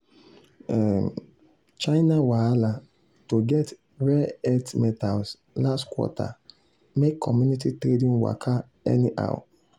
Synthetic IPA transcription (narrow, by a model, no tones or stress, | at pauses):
ɛ | t͡ʃaɪnawaala | toɡɛt | ɾɛɛtmɛtals | lastkwɔ̰tʰa̰ | mekʰːɔmjunititɾedĩnwa̰kʰa | ɛ̰niʔa̰w̰